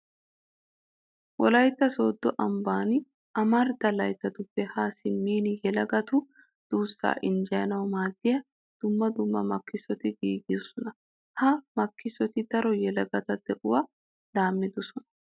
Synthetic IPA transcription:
wɔlɐjt̪ːɐsoːd̪ːɔʔɐmbaːn | ʔɐmɐɾd̪ɐlɐjt̪ːɐt̪ʊpːɛhaːsɪmːiːnjɛlɐɡɐt̪ʊ | d̪̥uːsːa̰ːʔɪnd͡ʒɐjɐnɐwmaːd̪ːɪjɐ | d̪̥ʊmːɐd̪ʊmːɐmɐkːɪsɔt̪ɪɡiːɡɪd̪ɔsɔnɐ | hɐmɐkːɪsɔt̪ɪd̪̥ɐɾɔjɛlɐɡɐt̪ɐd̪̥ɛʔʊwaː | laːmːɪd̪ɔsɔnɐ

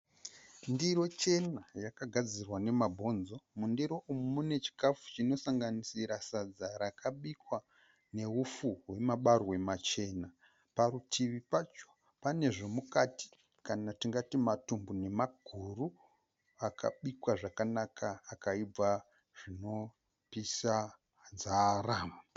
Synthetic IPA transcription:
ndiro̞t͡ʃe̞najakaɡʱad͡zirwane̞mabʱo̞nzo̞mundiɾo̞ʔumumune̞t͡ʃi̥kafu̥t͡ʃino̞saŋɡanisiɾasad͡zaɾakʰaɓikwa | ne̞ufuɦwe̞maɓarwe̞mat͡ʃe̞na | paɾutʰiʋipat͡ʃo̥ | pane̞ʐo̞mukati̥ | kanatiŋɡatimatumbune̞maɡ̥ʱuru | akʰa̰ɓikwaʐakanakʰaːkaib͡va | ʐ̥ino̞ | pisa | nzaraːma

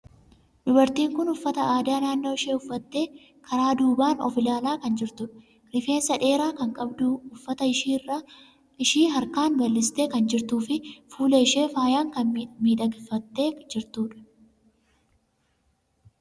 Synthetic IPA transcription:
dʊbɐɾt̪iːŋkʊnʊfːɐt̪ɐʔaːd̪aːnaːnːo̞ːɪʃeːʊfːɐt̪ːe̞ː | kʰɐɾaːd̪uːbaːnɔ̰fɪlaːlaːkɐnd͡ʒɪɾt̪ʊᶑɐ̥ | ɾɪfe̞ːnsɐᶑe̞ːɾaːkɐŋkʼɐbd̪uːʊfːɐt̪ɐir | ɪʃiːɦɐɾkaːnbɐlːɪst̪e̞ːkɐnd͡ʒɪɾt̪uːfɪfuːleːɪʃe̞ːfaːjaːŋkɐnmiːd̪ɐɡɪfːɐt̪ːe̞ːd͡ʒɪɾt̪uːᶑɐ̥

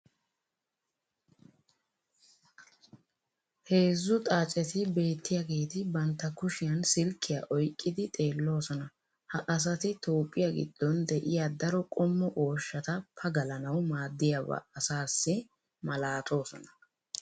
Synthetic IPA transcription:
he̞ːzːʊt̪ʼaːt͡ʃʼɛt̪ɪbe̞ːt̪ːɪjaɡe̞ːt̪ɪbɐnt̪ːɐkʊʃɪjɐnsɪlkʰːɪjaʔɔjkʼːɪd̪ɪt̪ʼe̞ːlːo̞ːsɔnɐ | hɐʔɐs̬ɐt̪ɪt̪ʰoːpʼːɪjaɡɪ̰d̪̥ːɔnd̪ɛʔɪjad̪ɐɾɔkʼɔmːɔʔo̞ːʃːɐt̪ɐpʰɐɡɐlɐnɐwmaːd̪ːɪjaβɐ̰ːsaːsːɪ | mɐlaːt̪ʼo̞ːsɔ̰nɐ̥

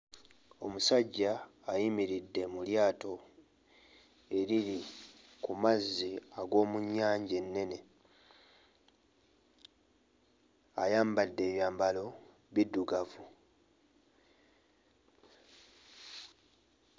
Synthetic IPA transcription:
o̞musaɟːaːjimiɾidːe̞muljaːto̞ | e̞ɾiɾi | kumazːiaɡo̞ːmuɲːaːɲɟe̞nːe̞ne̞ | ajaːmbadːe̞ːβjaːmbalo̞ | βidːuɡavu

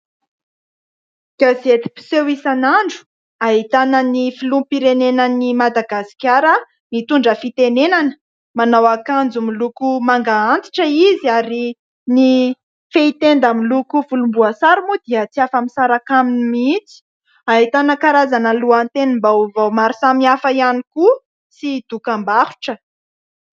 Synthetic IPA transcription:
ɡ̥azet̪i̥pi̥sewisanaɳɖ͡ʐu̥ | aɦit̪anənifilumpiɾenenənimad̪aɡasi̥kʲaɾə | mit̪uɳɖ͡ʐəfit̪enenanə̥ | manawakand͡zumilukumaŋɡaant̪i̥ʈ͡ʂəiziaɾi | ni | feit̪end̪amilukuvulumbuasaɾimud̪̥iət͡siafəmisaɾakaminimit͡si̥ | aɦit̪anəkaɾazanəluant̪enimbauvawmaɾisamiafəianiku | sid̪̥ukambahu̥ʈ͡ʂə

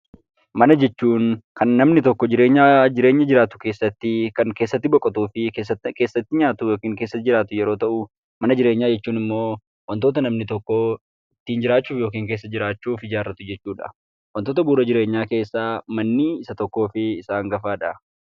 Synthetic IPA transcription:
mɐnɐd͡ʒɛt͡ʃːuːnkɐnːɐmnɪt̪ɔkːɔd͡ʒɪɾeːɲːaːd͡ʒɪɾe̞ːɲːɐd͡ʒɪɾaːt̪ʊ̥ke̞ːsːɐt̪ːɪkɐŋke̞ːsːɐt̪ːɪbɔkʼːɐt̪uːfɪesːke̞ːsːɐt̪ːɪɲaːt̪ʊjoːkiːŋke̞ːsːɐd͡ʒɪɾaːt̪ʊjɛɾo̞ːt̪ɐʔʊ | mɐnɐd͡ʒɪɾeːɲːaːd͡ʒɛt͡ʃːuːnɪmːo̞ː | wɐnt̪oːt̪̬ɐnɐmnɪt̪ɔkːo | ɪt̪ːiːnd͡ʒɪɾaːt͡ʃːuːfjoːk̬iːŋk̬eːs̬ːɐd͡ʒɪɾaːt͡ʃːuːfɪd͡ʒaːrːɐt̪ʊd͡ʒɛt͡ʃːuːᶑɐ̰ | wɐnt̪oːt̪ɐbuːɾɐd͡ʒɪɾe̞ːɲːaːke̞ːsːaːmɐnːiɪsɐt̪ɔkːoːfɪɪsaːŋɡɐfaːᶑɐ

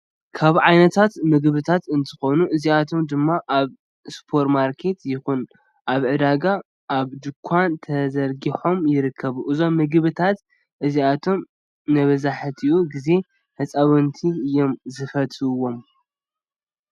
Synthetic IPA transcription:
kʰaβʕajnɐt̪ʰat̪mɨɡβɨt̪ʰat̪ɨnt̪ʰɨ̥xo̞nuʔɨziat̪ʰo̞md̪ɨmːaʔaβ | spʰo̞ɾtmaɾkʰe̞t̪jɪxun | ʔaβʕɨd̪aɡa | ʔːβd̪ɨkʷʰːant̪ʰɐzɐɾɡiħo̞mjɪɾɨkʰːɐβuʔɨzo̞mːɨɡβɨt̪ʰat̪ | ʔɨziat̪ʰo̞m | nɐβɐzaħt̪ʰiʔuɡize̞ | ħɨt͡sʼaβɨnt̪ʰiɨjo̞mzɨfɐt̪ɨwːo̞m

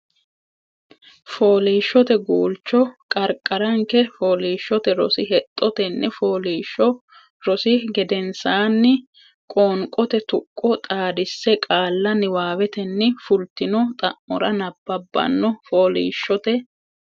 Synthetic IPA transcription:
foːliːʃːɔt̪ɛɡuːlt͡ʃːɔkʼɐɾkʼːɐɾɐŋkɛfoːliːʃːɔt̪ɛɾɔ̰sɪhɛt̪ʼːɔt̪ɛnːɛfoːliːʃɔ | ɾɔsɪɡɛd̪ɛnsaːnːɪ | kʼoːŋkʼɔt̪ɛt̪ʊkʼːɔt̪ʼaːd̪ɪsːɛkʼaːlːɐnɪwaːwɛt̪ɛnːɪfʊlt̪ɪnɔt̪ʼɐʔɔɾɐnɐbːɐbːɐ̰nːɔfoːlḭːʃːɔt̪ɛ

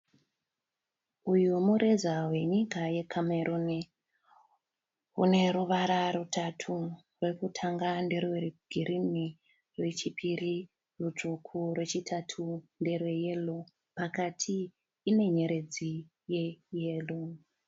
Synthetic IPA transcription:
ujumuɾezaɦwe̞ɲikaje̞kʰameɾuni | ɦṵne̞ɾuʋaɾaɾutʰatʰu | rwe̞kutʰaŋɡanderweɡ̥ʱiɾini | rwe̞t͡ʃipʰiri | rut͡ʂukʰurwe̞t͡ʃitʰatʰunde̞rwe̞je̞lo | pakatʰiː | ne̞ɲe̞ɾe̞d͡zi | je̞je̞ːlo

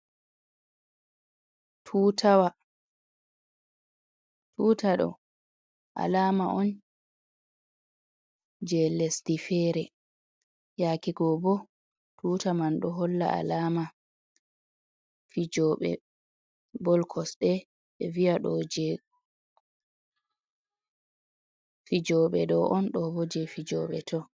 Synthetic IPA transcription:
tʰuːtʰawa | tʰuːtaɗɔ̰ | ʔa̰laːmaʔɔn | d͡ʒɛlesdifɛɾɛ | jaːkiɡɔbɔ | tuːtamanɗɔɦɔlːa̰ʔa̰laːma | fid͡ʒɔɓɛ̰ | bɔlkʰɔsɗɛ | ɓɛviaɗɔd͡ʒɛ | fid͡ʒɔɓɛdɔʔɔnɗɔbɔd͡ʒɛfid͡ʒɔɓɛtʰɔ

